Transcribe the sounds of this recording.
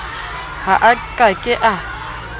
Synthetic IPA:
haʔakʼakʼɪʔa

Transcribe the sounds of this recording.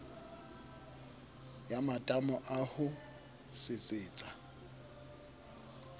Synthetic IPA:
jamatʼamɔʔahʊ | sɪt͡sʼɪːt͡sʼa

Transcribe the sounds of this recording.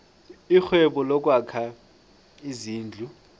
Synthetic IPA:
ixwɛɓɔlɔk̬ʼwakʰa | iziːnd͡ɮʱu

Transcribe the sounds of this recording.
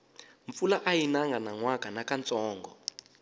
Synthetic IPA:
ɱfulaʔajinaŋɡanaŋwakʼanakant͡sɔːŋɡɔ

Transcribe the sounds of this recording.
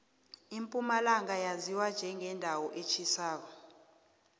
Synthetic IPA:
impʼumalaŋajaziwand͡ʒʱɛŋʱɛndʱawɔʔet͡ʃʰisaːk̬ɔ̥

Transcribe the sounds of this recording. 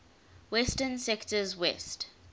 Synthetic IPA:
wɛstənsɛktəzwɛst

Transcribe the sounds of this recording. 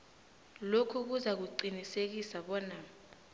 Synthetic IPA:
lokʰuk̬uzak̬uǃinisek̬isaɓɔnaːm

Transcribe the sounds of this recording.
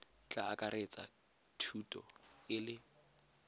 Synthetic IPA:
t͡ɬʼaakʼaret͡sʼa̰ | tʰutʼɔ̰ɪlɪ

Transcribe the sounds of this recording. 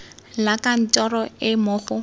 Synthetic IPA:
lakan̩tʼɔɾɔɪmʊːχʊ

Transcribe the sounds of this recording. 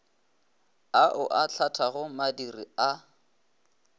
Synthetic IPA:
aʔʊʔat͡ɬʰatʰaɣʊmadiria

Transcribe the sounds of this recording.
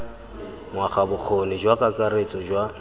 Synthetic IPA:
mwaχabʊq͡χʰonɪd͡ʒwakʼakʼaɾet͡sʼɔd͡ʒwa

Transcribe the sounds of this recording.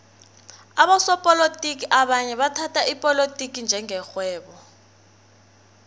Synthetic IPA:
aɓasɔpʼɔlotʼikiʔaɓaɲɛɓatʰatʰʼaʔipʼɔlotʼik̬ʼind͡ʒʱɛŋʱɛxwɛːɓɔ

